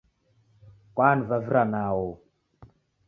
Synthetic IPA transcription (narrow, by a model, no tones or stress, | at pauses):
kʷanvaviɾanawo